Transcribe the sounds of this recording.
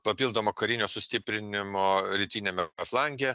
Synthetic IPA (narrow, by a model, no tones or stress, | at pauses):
pɐpʲilˠd̪oːmoːkɐɾʲɪnʲoːsʊsʲt̪ʲɪpʲɾʲɪnʲɪmoːɾʲɪt̪ʲiːnʲeːmʲɛɐflˠɑŋʲɡʲe